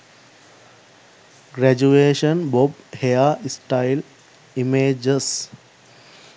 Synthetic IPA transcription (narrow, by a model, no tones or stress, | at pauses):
ɡɾæd͡ʒueːʃənbobhejaisʈaɪl | imeːd͡ʒəs